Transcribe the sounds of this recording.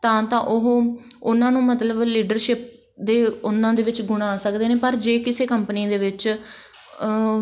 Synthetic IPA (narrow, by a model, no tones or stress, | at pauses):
t̪ãːt̪ãːʔʊɦʊnãːnũːmət̪ləbliːɖəɾʃɪp̚ | d̪eːʊnːãːd̪eːʋɪt͡ʃɡʊɽ̃aːsəkd̪eːnẽːpəɾd͡ʒeːkɪseːkəmpənĩːd̪eːʋɪt͡ʃ